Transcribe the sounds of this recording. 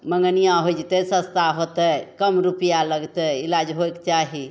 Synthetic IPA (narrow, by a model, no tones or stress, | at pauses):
məŋɡənijãɦojd͡ʒit̪əsə̃st̪aɦot̪əkəmɾupijaləɡt̪əilad͡ʒɦojkt͡ʃaɦi